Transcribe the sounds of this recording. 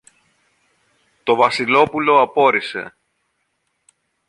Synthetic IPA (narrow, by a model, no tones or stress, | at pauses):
t̪o̞vɐsilo̞pulo̞ɐpo̞ɾise̞̰